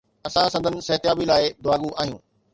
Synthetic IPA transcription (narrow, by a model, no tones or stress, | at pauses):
ɐsãsɐ̃nd̪ʱənɪ̆sɐɦt̪ɪjaːbilaːɪd̪ʊaːɡuʔaːɦijṵ̃ː